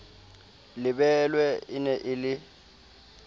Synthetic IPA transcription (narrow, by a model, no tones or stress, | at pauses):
lɪbɛlwɛɪnɛʔɪlɪ